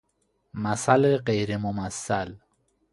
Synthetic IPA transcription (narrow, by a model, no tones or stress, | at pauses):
masaleqejɾemʊmasal